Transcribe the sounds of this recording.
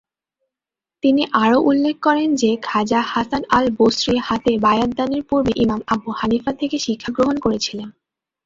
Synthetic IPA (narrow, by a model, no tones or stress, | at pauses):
t̪iniʔaɾoʔulːek̚kɔɾend͡ʑekʰad͡ʑahasanalbosɾihat̪ebajad̪ːaneɾpoɾbeʔimamabuhanifat̪ʰekeʃikʰːaɡɾoɦonkoɾet͡ɕʰilen